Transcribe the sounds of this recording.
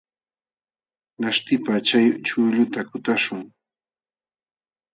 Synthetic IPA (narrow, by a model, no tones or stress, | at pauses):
naʃt̪ɪpat͡ʃajt͡ʃʊʎʊt̪akʊt̪aʃʊŋ